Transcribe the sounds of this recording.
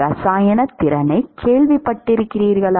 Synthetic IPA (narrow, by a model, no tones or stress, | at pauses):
ɾɐsaːjɐnɐt̪ːɪɾɐnɐɪkʰːeːɭʋɪpːɐʈːɪɾɯkːɪriːɾɣɐɭ